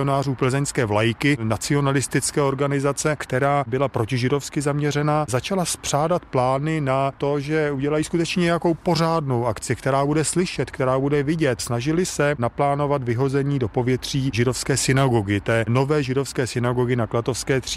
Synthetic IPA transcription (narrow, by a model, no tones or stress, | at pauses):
onaːruːpl̩zɛɲskɛːvlajkɪnat͡sɪo̞nalɪst̪ɪt͡skɛːo̞ɾɡanɪzat͡sɛkt̪ɛɾaːbɪlapɾo̞cɪʒɪdo̞fskɪzamɲɛrɛnaːzat͡ʃalaspr̥aːdat̪plaːnɪnat̪o̞ʒɛuɟɛlajiːskut̪ɛt͡ʃɲɛɲɛjako̞wpo̞r̝aːdno̞wʔakt͡sɪkt̪ɛɾaːbudɛslɪʃɛt̪kt̪ɛɾaːbudɛvɪɟɛt̪snaʒɪlɪsɛnaplaːno̞vat̪vɪɦo̞zɛɲiːdo̞po̞vjɛt̪r̝̥iːʒɪdofskɛːsɪnaɡo̞ɡɪt̪ɛːno̞vɛːʒɪdofskɛːsɪnaɡo̞ɡɪnaklat̪ofskɛːt̪r̝̥i